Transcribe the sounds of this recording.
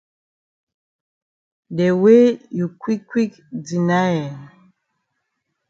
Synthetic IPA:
dɛ˨we˦ju˨kwi˦kwi˦k | d͡zi˨na˦jɛ˨

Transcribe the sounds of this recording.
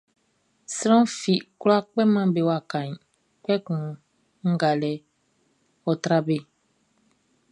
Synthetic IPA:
si˦ɾɔ̃˦fi˨ku˦la˦k͡pɛ˦mã˦be˦wa˨kã˨ɲ˨ | k͡pɛ˦kũ˨ | ŋ̩˦ɡa˨lɛ˦ | ɔ˨tɾa˦be˦

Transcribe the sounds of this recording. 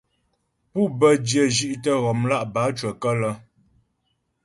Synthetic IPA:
pu˦bə˦djə˦˨d͡ʒi˦ʔtə˦ɣɔ˨mla˦ʔba˨˦t͡ʃwə˨kə˦lə˦

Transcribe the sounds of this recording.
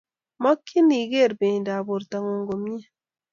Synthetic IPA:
mɔ˦kːi˦ni˨ɡe˦˨ɾbe˨da˨bo˨ɾta˨ŋo˨ŋɡo˨m˦e˦

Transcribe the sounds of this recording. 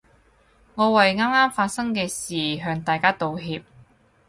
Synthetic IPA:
ŋɔː˨˧wɐ˨jŋaː˥mŋaː˥mfaː˧t̚sɐ˥ŋkɛː˧siː˨˩ɦœː˧ŋt̪aː˨jkaː˥t̪o˨˧wɦiː˨˧p̚

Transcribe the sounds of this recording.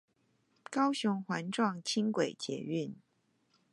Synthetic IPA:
kɑ˥ʊɕʊ˧˥ŋxwa˧˥nʈ͡ʂwɑ˥˨ŋt͡ɕʰi˥nkwe˨˩ɪt͡ɕjɛ̰˧˥y˥˨n

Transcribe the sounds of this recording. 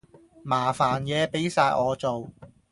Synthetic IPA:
maː˨˩faː˨˩njɛː˨˧pe˨˥jsaː˧jʔɔː˨˧t͡so˨w

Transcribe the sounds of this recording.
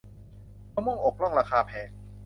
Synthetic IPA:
a˧˥˩wmɔ˥˩ŋʔo˨˩k̚lɔ˥˩ŋɾaː˧kaː˧pʰɛː˨˦ŋ̚

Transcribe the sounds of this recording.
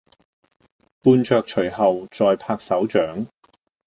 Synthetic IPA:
puː˧nt͡ʃœː˧k̚t͡ʃʰɵ˨˩ɦɐ˨wt͡ʃɔː˨˧jpʰaː˧k̚sɐ˨˥wt͡ʃœː˨˥ŋ

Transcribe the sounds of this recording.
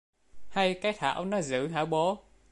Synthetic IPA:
ha˧jkaː˨˦˥jt̪ʰa̰ː˧˨wnɔ˨˦zɨ̰˧˥˨ɦa̰ː˧˩wɓo˨˦

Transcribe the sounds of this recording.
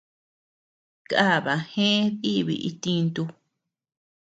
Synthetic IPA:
ka˦˨βa˨hẽ˦ði˦βḭ˧ʔi˧t̪ĩ˧nt̪u˧

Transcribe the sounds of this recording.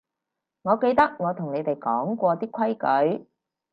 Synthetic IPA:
ŋɔː˨˧ke˧jt̪ɐ˥k̚ŋɔː˨˧t̪ʰʊ˨˩ŋne˨˧jt̪e˨˩jkɔː˨˥ŋkʷɔː˧t̪iː˥kʷʰɐ˥jkɵ˨˥ɥ

